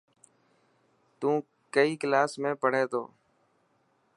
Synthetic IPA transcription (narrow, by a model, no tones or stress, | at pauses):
t̪ũː | kəiːklaːsmẽːpəɽ̤eːt̪ʰo̰ː